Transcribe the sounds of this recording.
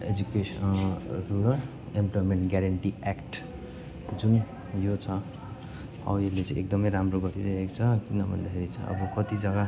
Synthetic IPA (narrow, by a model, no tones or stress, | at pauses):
ed͡zukesʌruɾ | emplojmeɳʈɡjaɾʌɳʈiakʈ | d͡zun | jot͡sʰʌ | ʌ̰welet͡sʌ̃ek̚d̪ʌmʌjɾamroɡʌt̪iɾʌekt͡sʰʌkinʌbʱʌ̰nd̪akʰeɾit͡sʰʌ̰̃ʌ̰bʌkʌt̪id͡zʌɡa